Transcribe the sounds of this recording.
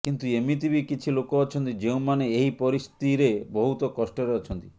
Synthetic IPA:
kint̪uemit̪ibikit͡ʃʰilokɔɔt͡ʃʰɔnt̪id͡ʒeũw̃maneeɦipɔɾist̪iɾebɔɦut̪ɔkɔsʈɔɾeɔt͡ʃʰɔnt̪i̥

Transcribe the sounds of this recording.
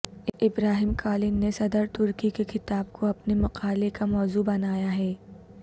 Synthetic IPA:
ɪbɾaːɦɪmkaːlɪnːesɐd̪əɾt̪ʊɾkikekɪt̪aːbkʰoɐpnemɐqaːlekamɔːzubɐnaːjaɦɛː

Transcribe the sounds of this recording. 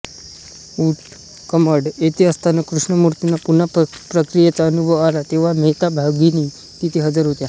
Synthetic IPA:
uʈ | kəməɽet̪eəst̪ʰanəkɾuʂɳəmuɾt̪inapunapɾəkɾijat͡saənubʱəʋalat̪eʋ̤amɛt̪abʱaɡini | t̪it̪ʰeɦəd͡zəɾɦot̪ja

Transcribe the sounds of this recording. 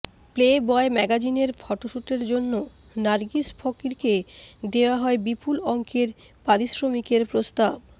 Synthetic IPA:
plebɔemɛɡad͡ʑineɾfʰɔʈoʃuʈeɾd͡ʑonːo | naɾɡisfʰɔkiɾked̪eoaɦɔebipulɔŋkeɾ | paɾisɾomikeɾpɾost̪ab

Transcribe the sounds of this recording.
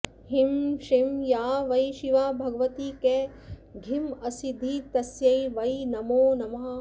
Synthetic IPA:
himʃimjaːʋɐjʃiʋaːbʱɐɡʋɐt̪iːkeː | ɡʱimɐsid̪ʱit̪ɐsjɐjʋɐjnɐmoːnɐmɐɦɐ

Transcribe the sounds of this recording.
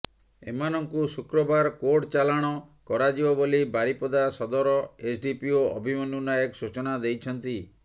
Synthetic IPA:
ḛmanɔŋkusukɾɔbaɾkoʈt͡ʃalaɽ̃ɔkɔɾad͡ʒibɔbolibaɾipɔd̪asɔd̪ɔɾɔesɖipioɔbʱimɔnunajɔksut͡ʃɔnad̪ejt͡ʃʰɔnt̪i

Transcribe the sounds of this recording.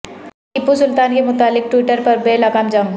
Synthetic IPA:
ɪpːusʊlt̪aːnkemʊt̪aːlɪk̚ʈwɪːʈəɾpɐɾbeːlakaːmd͡ʒaːũ

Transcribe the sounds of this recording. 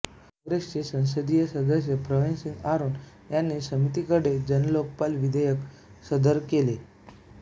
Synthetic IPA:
kɔ̃ŋɡɾest͡sesə̃w̃s̬əd̪ijəsəd̪əsjəpɾəʋinsinaɾuːn | janːisəmit̪ikəɽed͡ʑənlok̚palʋid̪əjək | səd̪əɾkele

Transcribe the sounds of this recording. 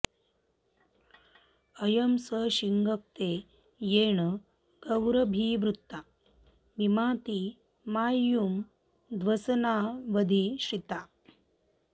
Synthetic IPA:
ɐjɐmsəɕiŋɡɐk̚t̪eː | jeːɳə | ɡ̥ɐwɾɐbʱiːʋɾut̪ːa | mimaːt̪i | maːjːum | d̪ʋɐsɐnaːʋɐd̪ʱiɕɾit̪a

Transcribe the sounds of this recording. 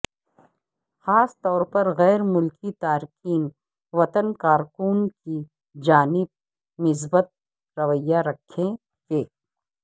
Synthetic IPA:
xaːst̪ɔːɾpɐɾɣɛːɾmʊlkit̪aːɾkiːn | ʋɐt̪ənkaːɾkuːnki | d͡ʒaːnɪb̚ | nɪs̬bət̪̚ | ɾɐʋəjːaɾɐkʰːẽ | feː

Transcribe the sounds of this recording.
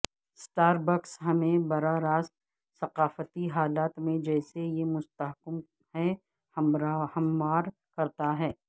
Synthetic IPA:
sʈaːɾbəksɦɐmẽbɐɾaɾaːst̪ | sɐqaːfət̪iɦaːlaːt̪mẽd͡ʒɛːsejemʊst̪əɦkəm | hɛ | hɐmːaːɾ | kɐɾt̪aɦɛː

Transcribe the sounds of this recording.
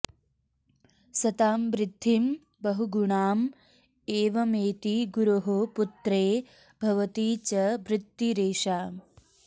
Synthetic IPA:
sɐt̪aːmʋɾɪd̪ʱːim | bɐɦuɡuɳaːm | eːʋɐmeːt̪iɡuɾuɦoput̪ɾeː | bʱɐʋɐt̪iːt͡ʃɐbɾɪt̪ːiɾeːʃaː

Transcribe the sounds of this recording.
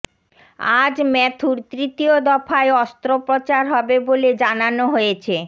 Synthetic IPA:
ad͡ʑmɛt̪ʰuɾt̪ɾit̪iod̪ɔfaeɔst̪ɾopɾot͡ɕaɾɦɔbeboled͡ʑananoɦojet͡ɕʰe

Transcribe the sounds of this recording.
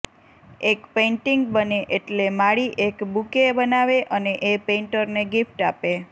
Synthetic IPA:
ekpeɳʈiŋɡbəneʔeʈlemaɽiʔekbukebənaʋeʔəneʔepẽɳʈəɾneɡifʈape

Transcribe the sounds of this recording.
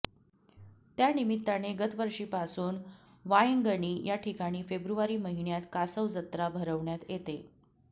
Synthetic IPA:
t̪janimit̪ːaɽ̃eɡət̪ʋəɾʂiːpasuːn | ʋaiŋɡəɳ̃iːjaʈʰikaɽ̃iːfebɾuʋaɾiːməɦiɳjat̪kasəʋd͡zət̪ɾabʱəɾəʋɳjat̪jet̪e

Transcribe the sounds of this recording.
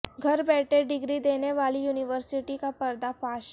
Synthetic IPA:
ɡʱəɾbɛʈeɖiɡɾiːd̪enjeʋalijuniʋəɾsiʈikapəɾd̪afas

